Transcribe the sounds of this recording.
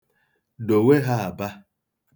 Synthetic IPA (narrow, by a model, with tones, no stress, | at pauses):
do˨we˦ɦa˦a˨ba˦